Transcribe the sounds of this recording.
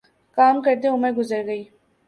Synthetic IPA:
kaːmkɐɾt̪̬eʊməɾɡʊzəɾɡɐiː

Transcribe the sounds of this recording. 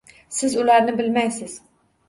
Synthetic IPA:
sɪzulæɾnɪbɪlmɛjsɪz̥

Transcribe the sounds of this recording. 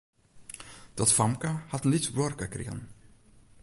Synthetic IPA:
d̪̥ɔt̪famkahat̪ənlit̪bɔɾkakɾɪ̰ːn

